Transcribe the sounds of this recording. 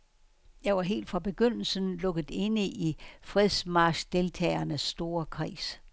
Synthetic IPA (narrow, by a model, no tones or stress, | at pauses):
jɑ̈ɪʋɑ̈ɦe̝̰ːld̥fʁɑ̈b̥e̝ɡ̥øn̰l̩sənlɔ̽ɡ̥əð̩ˠe̝nəʔifʁɛðˠsmɑ̈ːɕd̥e̝lt͡sʰɛ̰ːɪɐnəsːd̥o̝ːɐkʰʁḭːs